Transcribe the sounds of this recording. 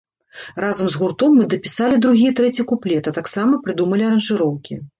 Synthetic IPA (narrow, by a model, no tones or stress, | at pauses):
razɐmzɣurt̪ɔmːɨd̪ɐpʲisalʲid̪ɾuɣʲijɐt̪ɾɛt͡sʲikuplʲɛt̪ɐt̪aksamɐpɾɨd̪umɐlʲiɐɾɐnʐɨɾɔwkʲi